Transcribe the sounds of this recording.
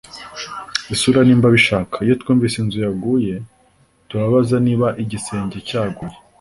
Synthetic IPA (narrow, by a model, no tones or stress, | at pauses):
isuɾaniːmbaβiʃaːkʰaijo̞tkuːɱvisenzujaɡuje̞ | tuɾaβazaniːβaʔiɟise̞ːɲɟecaːɡuje